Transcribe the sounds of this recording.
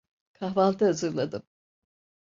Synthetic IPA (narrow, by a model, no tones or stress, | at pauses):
kʰaɦvalˠt̪ʰaɦazɯɾlˠad̪ɯm